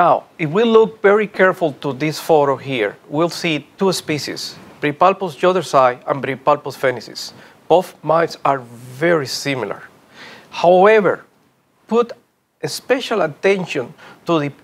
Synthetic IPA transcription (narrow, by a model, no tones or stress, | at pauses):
nawifwiluk̚vɛɹikʰɛɹfulˠt̪uðisfɔɾohiɹwilsit̪uespiʃḭsb̥ɾipalposd͡ʒoðə˞sajã̰nbɾipalposfenisḭs | b̥oθmãjsaɹvɛɹisĩmila̰ɹ | hawɛvə̰ɹ | put̪ | espɛʃalat̪ɛ̃nʃɔ̃nt̪uðɨ